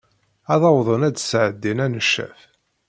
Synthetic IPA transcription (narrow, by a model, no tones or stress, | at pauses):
ɑðˤɑwðˤənæd̪sʕəd̪ːinænəʃːæ̰f